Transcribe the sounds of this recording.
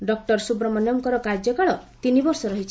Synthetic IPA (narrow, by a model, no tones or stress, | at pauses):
ɖɔk̚ʈɔɾsubɾɔmɔnjɔmkɔɾɔkaɾd͡ʒjɔkaɭɔt̪inibɔɾsɔɾɔɦit͡ʃʰi